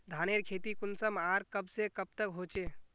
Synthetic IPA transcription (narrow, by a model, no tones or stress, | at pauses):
d̪ʱaːneɾkʰeːt̪ikʊnsəmaːɾkəbsekəb̚t̪əkɦoːt͡ʃeː